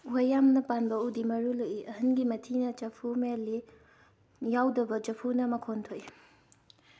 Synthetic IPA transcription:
wojːamnɐpanbɐudimɐɾuloʔiʔɐhɐnɡimɐtʰinɐt͡ʃɐpʰumelːi | jawdɐbɐd͡ʒɐpʰunɐmɐkʰontʰoji

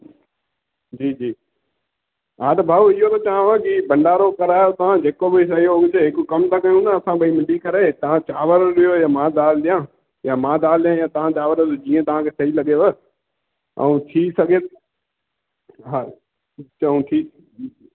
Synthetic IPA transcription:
d͡ʑiːd͡ʒiː | ɦaːt̪ɐbʱaːuɪɦot̪ɐt͡ʃaãʋəkibɐ̃ɳɖaːɾokɐɾaːjot̪ɐʋ̤ãd͡ʑeːkobɪsɐɦiooɡt͡ʃeɦɪkkɐmt̪akɐjũnəɐsãbʱɐimɪ̃ɖikɐɾet̪ɐʋ̤ãt͡ʃaːʋəɾɗɪjojaːmãːd̪aːlɗijã | jamãːd̪aːlɗijãjaːt̪ɐʋ̤ãt͡ʃaːʋəɾt̪od͡ʑĩːə̃t̪ɐʋ̤ãkʰeːsɐɦilɐɠeʋə | ə̰ũt̪ʰiːsɐɡʱe | ɦa | əũt̪ʰiː

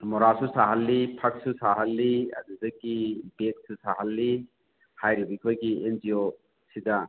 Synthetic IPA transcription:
mɔɾasusaɦɐlːipʰɐk̚susaɦɐlːiɐ̰dudɐkibet̚susaɦɐlːi | hajɾibik̚bɐɡiend͡ʒio | sidɐ

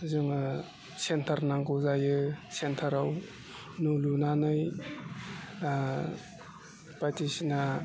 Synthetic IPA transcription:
zɯŋɯ | sentʰaɾnaŋkɔzajɯsentʰaɾaw | nulunanɯj | pajtisina

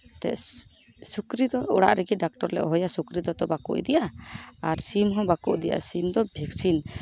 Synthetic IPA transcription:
t̪ɛ̰ʔ | sukɾid̪ɔuɽa̰ʔɾɛɡiɖak̚ʈɔɾlɛ̰ʔɔɦɔjasukɾid̪ɔt̪ɔbakṵʔd̪ɛjaaɾsimɦɔ̃bakuʔd̪ɛja̰simd̪ɔbʱɛksin

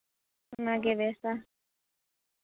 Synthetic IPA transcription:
naɡeβesa

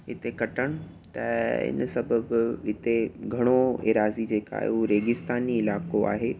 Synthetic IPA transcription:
ɪt̪ekɐʈəɽ̃ʊ̆ | t̪ɐɪ̰nsɐbʱəbɪt̪eɡʱɐɽ̃oḛɾaːzid͡ʑeːka̰ːɦḛuɾeːɡɪst̪aːniɪlaːkoa̰ːɦeː

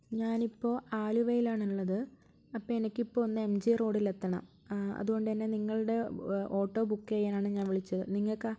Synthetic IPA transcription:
ɲaːnipːo̞ːʔaːluʋɐjilaːɳiɭːɐðɨ | ɐpːɐːenikʲːipːo̞ːonːɨe̞md͡ʑiro̞ːɽile̞t̪ːɐɳɐ̰m | ɐ̰ðuɣo̞ɳɖɨt̪ɐnːe̞niŋːɐɭɨɽe̞o̞ːʈːo̞ːbukːejaːnaːɳɨɲaːnʋiɭit͡ɕːɐðɨniŋːɐɭk

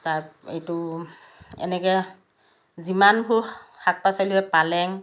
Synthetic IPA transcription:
tajḛjtu | ɛ̰nɛkɛ | zimanbʰʱuhak̚pasaluɛpalɛŋ

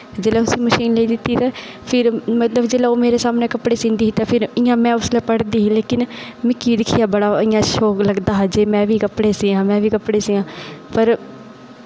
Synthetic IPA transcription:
d͡ʒeːlɛːt̪ʊsĩːməʃiːnleiːd̪ɪt̪ːiːt̪ãː | pʰɪɾmət̪ləbd͡ʒeːlɛːoːmeːɾeːsaːmneːkəpɽeːsɪ̃ːnd̪iːɦiːt̪ãːpʰɪɾɪːãːmɛ̃ːʊslɛːpəɽd̪iːɦĩleːkɪnmɪkːiːd̪ɪkʰːɪjaːbəɽaːɪːãːʃoːkləɡd̪aːɦad͡ʒeːmɛ̃ːʋiːkəpːɽeːsɪːãːmɛ̃ːʋiːkəpɽeːsɪːãːpəɾ

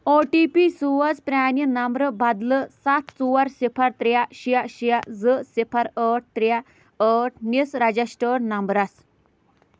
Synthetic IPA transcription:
oʈipisuʋad͡zpɾanjənambɾəbad̪ləsat̪ʰt͡suʋaɾsepʰaɾt̪ɾjaɕijaɕijad͡zəsepʰaɾəʈ̚t̪ɾja | əʈ̚ʰnisɾad͡ʑasʈəɾnambɾas

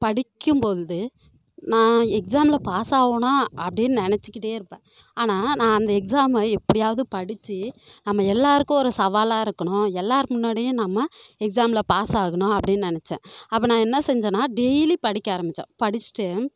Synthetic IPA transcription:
pɐɽɪkʲːɯmpoːðɯðɯ | nãːɛksaːmlɐpaːsaːʋɐnãːʔɐpːɐɽɪnːɯnɪnɛt͡ʃːɯkːɪʈːeːɪɾɯpːẽː | aːnaːnãːɐnd̪ɐɛksaːmɐɛpːɐɽɪjaːʋɐðɯpɐɽɪt͡ʃːinɐmːɐɛlːaːɾɯkːʊ̃ɔɾɯsɐʋaːlaːɪɾɯkːɐɳʊ̃ɛlːaːɾmʊnːaːɽɪjʊ̃nɐmːɐɛksaːmlɐpaːsaːɣɐɳʊ̃ɐpːɐɽɪnːɯnɪnɛt͡ʃːɛ̰̃ːɐpːɐnãːɛnːɐsɛɲd͡ʒɐːnaːɖɛjlipɐɽɪkʲːɐaːɾɐmbɪt͡ʃːɛ̰̃ːpɐɽɪt͡ʃːɪ̥ʈe

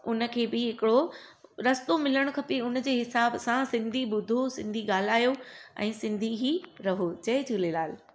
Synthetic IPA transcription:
ʊnə̆kʰeːbɪɦɪkɪɽoɾɐst̪omɪləɽ̃ʊkʰɐpiʊnəd͡ʑeːɦɪsaːbsãsɪ̃nd̪ʱiɓʊd̪ʱosɪ̃nd̪ʱiɠaːl̤aːjoɛ̰̃ːsɪ̃nd̪ʱiɦiːɾɐɦot͡ɕɐɦɪd͡ʑʱulelaːl

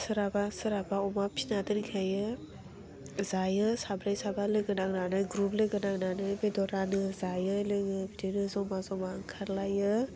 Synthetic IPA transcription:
sɯɾabasɯɾabaɔmapʰinatɯɾikʰajɯ | zajɯsabɾajsabalɯɡɯnaŋnanɯɡɾuplɯɡɯnaŋnanɯbedɔɾanɯzajɯlɯɡɯbidinɯzɔwmazɔmaŋkʰaɾlajɯ

